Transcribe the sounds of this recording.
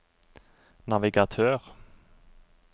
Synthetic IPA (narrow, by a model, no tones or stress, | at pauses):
nɑʋɪɡɑt̪ʰøːʁ